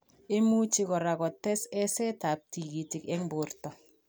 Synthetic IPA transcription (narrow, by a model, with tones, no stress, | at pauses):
ɪ˦mu˦t͡ʃɪ˦ɣɔ˨ɾa˨kɔ˨tɛ˦sɛ˦sɛ˦ta˨p̚ti˨ɡi˨tɪ˨kɛ˦ŋbʊ˨rtɔ˨